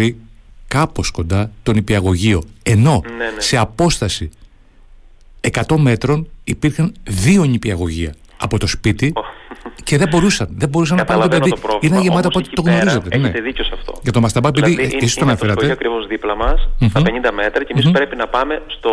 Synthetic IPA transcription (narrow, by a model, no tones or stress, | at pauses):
ikɐpo̞sko̞nd̪ɐt̪o̞nipiɐɣo̞ʝio̞e̞no̞nese̞ɐpo̞st̪ɐsi | ekɐt̪o̞me̞t̪ɾo̞nipiɾxɐnðio̞ɲipiɐɣo̞ʝiɐ̰ː | po̞t̪o̞spit̪i | ce̞ðe̞bo̞ɾusɐnðebo̞ɾus̬ɐnɐpɐnt̪opeððiɾoinenɐʝeɐt̪oɐot̪et̪o̞ɣno̞ɾizet̪enet̪eðicosɐft̪o̰ʝɐt̪omɐst̪ɐbɐepiðiðiesisoɐnɐfeɾɐt̪eɐkɾivozðiplɐmɐsɐpeɲind̪ɐme̞t̪ɾɐcemisspɾepinɐpɐmest̪o